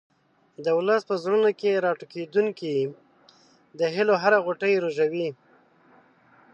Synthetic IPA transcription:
d̪əwləspəzɾunokeɾɑʈuked̪uŋki | d̪əɦɪloɦaɾaɣoʈəjɾoʒawi

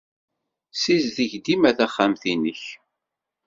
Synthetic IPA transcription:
sizðiʝd̪imæθæχːamθinəç

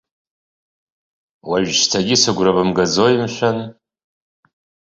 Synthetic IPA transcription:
waʒstʰaɡʲɪsɨɡʷrabɨmɡazojɪmʃʷᶣan

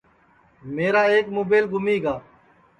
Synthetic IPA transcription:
meːɾaːeːkmoːbeːlɡʊmiːɡaː

